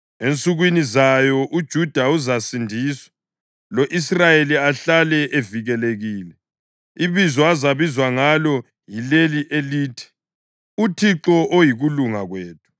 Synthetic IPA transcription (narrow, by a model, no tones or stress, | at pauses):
ent͡sʼuɣwinizajɔʔud̥ʒ̥ʱud̥ʱauzasindʱiːswḁ | loʔisrajeliaɬalɛʔeviɣɛleɣiːlɛ | iβizɔazaβizwaŋalɔ | jileliʔeliːtʰi̥ | utʰiǁɔʔojiɣuluŋaɣweːt̚ʰʼu̥